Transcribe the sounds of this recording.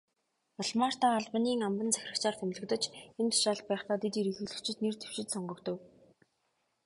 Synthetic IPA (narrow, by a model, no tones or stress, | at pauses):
ʊɮmaːr̥t̪aːɮpə̆niːŋampə̆nt͡sæ̥x̆ʲrə̆kt͡ɕaːrt̪ʰemɮɵ̆kt̪ə̆t͡ɕent̪ʰḁʃaːɬt̪̚pæːχt̪aːt̪et̪iɾixɘ̆ɮɘ̆kt͡ɕʰɪ̆t̪nert̪ʰe̥wʃɪ̆t̪sɔɴɢɞ̆kt̪ɵ̆w